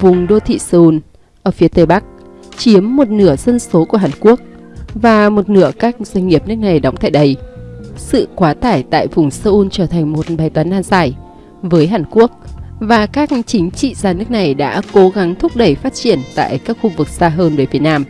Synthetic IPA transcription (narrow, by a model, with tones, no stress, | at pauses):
vʊ˨˩ŋ͡mɗo˧t̪ʰḭ˧˨saː˧ʔu˧n | ʔəː˧˩fi˨˦ət̪e˨˩˦ɓa˦˥k̚ | t͡ɕi˨˦əmːo˨˩t̚nɨ˧˩əzə˧nso˨˦ku˧˩əɦaː˨˩nku˦˥ək̚ | vaː˨˩mo˨˩t̚nɨ̰˧˩əkaː˦˥k̚zwa˧ŋ̟ŋi˨˩əp̚nɨ˦˥ək̚na˨˩jɗa˨˦ŋ͡mt̪a̰ː˧˨jɗə˨˧jsɨ̰˧˨kwaː˨˦t̪aː˧˩jt̪a̰ː˧˨jvʊ˨˩ŋ͡msəː˧ʔu˧nt͡ɕəː˧˩t̪ʰa˨˩ŋ̟mo˨˩t̚ɓaː˨˩jt̪waː˨˦nʔaː˧nzaː˧˩j | vəː˨˦jɦaː˧˩nku˦˥ək̚vaː˨˩kaː˦˥k̚t͡ɕï˨˦ŋ̟t͡ɕḭ˧˨zaː˧nɨ˦˥ək̚na˨˩jɗa̰ː˧˥ko˨˦ɣa˨˦ŋt̪ʰʊ˦˥k͡p̚ɗə˧˩jfaː˦˥t̚t͡ɕi˧˩ənt̪a̰ː˧˨jkaː˦˥k̚xu˧vɨ˨˩k̚z̥aː˧ɦəː˧nvəː˨˦jfi˨˦ənaː˧m